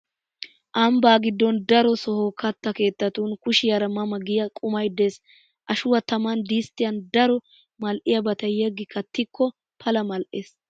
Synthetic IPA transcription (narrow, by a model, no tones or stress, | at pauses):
ʔɐmbaːɡɪd̪ːɔnd̪ɐɾɔsɔhokɐt̪ːɐke̞ːt̪ːɐt̪uːnkʊʃɪjɐɾɐmɐmɐɡɪjɐkʼʊmɐjd̪e̞ːs | ʔɐʃʊwɐt̪ɐmand̪iːst̪ːɪjɐnd̪ɐɾɔ | mɐlʔɪjɐbɐt̪ɐjɛɡːɪkʰɐt̪ːɪkːɔ | pʰɐlɐmɐlʔeːs